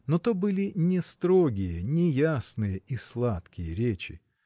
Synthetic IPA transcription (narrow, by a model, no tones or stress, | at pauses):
not̪obɨlʲɪnʲɪst̪ɾo̞ɡʲɪjənʲɪjasnɨjəislˠat̪kʲɪjəɾʲet͡ɕɪ